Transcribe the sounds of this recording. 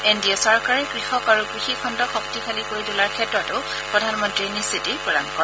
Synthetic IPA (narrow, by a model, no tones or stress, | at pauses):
endiɔsɔɹkaɹɛkɹixɔkaɹukɹixikʰɔndɔxɔk̚tikʰalikoɹitʊlaɹkʰɛtɹɔtʊʊ | pɹɔdʱanmɔntɹinisitipɔlankɔ